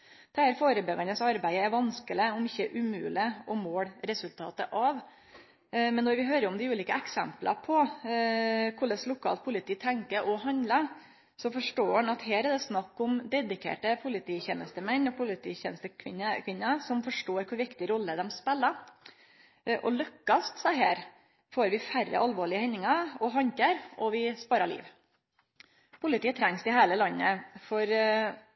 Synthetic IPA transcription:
d̪̥ɛhæːɾfoːɾəbɛɡɑnəsɑɾbæɪəæɾʋɑnskəlɪɔmɪçːəʔʉmʉ̰ːlɪʔɔmoːɽɾɛsʉlt̪ʰɑ̰ːt̪əʔɑʋ | mɛnːɔɾʋɪɦøːɾəɾɔmd̪ɪʉːliːkəɛksɛ̰mplɑ̰pʰɔ | kʰʊɭəslʊkʰɑ̰ːlt̪̚pʰʊlɪt̪ʰiːt̪ʰɛŋkəʔɔɦɑnd̪lə | sɔfɔʂʈoːɑɳɑt̪heːɾɛd̪ɛsnɑkːʊmd̪ɛd̪ɪkʰḛːʈəpʰʊlɪt̪ʰiːçɛːnəst̪əmɛnːɔpʰʊlɪt̪ʰiːçɛ̰nəst̪əkʰʋɪnəkʰʋɪnːəsɔmfɔʂʈoːɾkʰʊɾʋɪkt̪ɪəɾɔlːəd̪ɛmspɛlːə | ʔɔ̰lʉkːɑst̪sɑɦeːɾ | foːɾʋɪfærːə̰ʔɑlʋoːɭɪəhɛnːɪŋɑɔɦɑɲkəɾɔʋɪspɑːɾɑɭḭːʋ | pʰʊlɪt̪iːt̪ʰɾɛŋsɪheːləlɑnːəfɔɾ

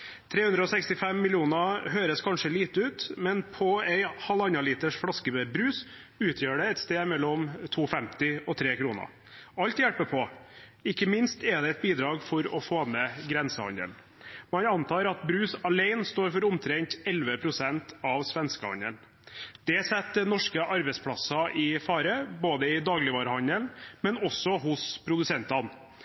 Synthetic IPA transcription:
t̪ʰɾeːhʉnd̪ɾəɔːsɛkst̪ɪfɛmːɪlɪuːnɑɦøːɾəskʰɑnʂəliːt̪əʉːt̪mɛnpʰɔæɪhɑlɑnɑliːt̪əʂfɽɑskəbɾʉːs | ʉːt̪ʰjøːɖɛɛt̪st̪eːd̪mɛlːɔmt̪ʰuːfɛmt̪ɪɔt̪ʰɾeːkʰɾuːnə̰ | ɑlt̪jæɽpəpʰɔ | ɪkːəmɪnst̪ɛd̪ɛɛt̪̚biːd̪ɾɑːɡfɔɾɔfoːmɛɡɾɛnsəhɑ̰nə̰l | mɑnɑnt̪ʰɑːɾɑt̪bɾʉːsɑleɪnst̪oːɾfɔɾʊmt̪ʰɾɛŋt̪ɛlʋəpʰɾʊsɛnt̪ʰɑʋsʋɛnskəhɑ̰nən | d̪̥ɛsɛt̪ːnɔʂkəʔɑɾbɛɪspʰɽɑsɑʔɪfɑːɾəboːd̪əɪd̪ɑːɡlɪʋɑːɾəhɑnənmɛnɔsːɔɦʊspʰɾʊd̪ʉsɛnt̪ɑn

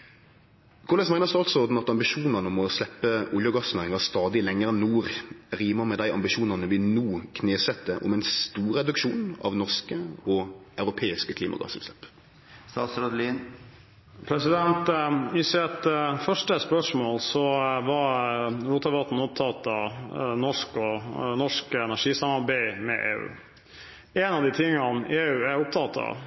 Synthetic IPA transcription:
kʰʊʁɛsæɪəʁsd̪ʉɑlt̪sɔɔʁd̪n̩ɑt̪ɑmbɪʃuːnɑnəɔmɔslɛpːəʔʊljəɡɑsnæːɾʁɪŋɑst̪ɑːd̪ɪlɛŋːəɾɛnːuːɾʁiːməmɛd̪æɪʔɑ̰mbɪʃuːnɑnəʋɪnuːkʰneːsɛt̪ːəʔɔ̰mɛɪnst̪uːɾɛd̪ʉkʃuːnɑ̰ʋnɔʁskəɔɑʉɾʊpʰeːɪskəkʰliːmɑ̰ɡɑ̰sɛ̰lslɛ̰pː | st̪ɑ̰ːt̪sɾɔd̪liən | pʰɾɛsɪd̪ɛnt̪ɪsɛt̪fœʂʈəspœʂmoːlsɔʋɑɾɾuːt̪ɑʋɑt̪n̩ʊp̚t̪ʰɑt̪ɑnɔʂkɔnɔʂkəɛnæʂiːsɑmɑɾbæɪmɛ̰ʔḛːʉ̰ː | ɛnɑʋd̪ɪt̪ʰɪŋːɑneːʉːæɾʊp̚t̪ʰɑt̪ʰɑ̰

